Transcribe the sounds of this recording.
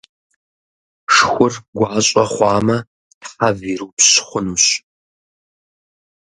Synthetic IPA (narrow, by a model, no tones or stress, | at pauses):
ʂxʷʊrɡʷɑːɕʼɐχʷɑːmɐ | tħaviːɾupɕχʷʊnuːɕ